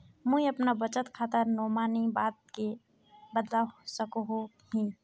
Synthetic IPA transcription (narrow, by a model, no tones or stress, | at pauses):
mũĩəpnabət͡ʃət̪kʰaːt̪əɾnɔːmaːnibaːt̪̚ke | bəd̪lasəkoɦo | ɦĩ